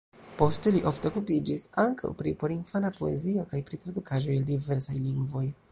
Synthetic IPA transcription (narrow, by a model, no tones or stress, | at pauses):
po̞steliʔo̞fteokupid͡ʒisaŋka̰wpɾipo̞ɾinfanapo̞e̞̰zio̞kajpɾit̪ɾad̪ukaʒo̞jaldive̞ɾsajliŋɡvo̞j